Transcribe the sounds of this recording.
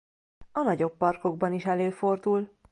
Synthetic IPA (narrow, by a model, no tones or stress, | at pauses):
ɒnɒɟo̞pːɒrko̞ɡbɒniʃɛløːfo̞rd̪ul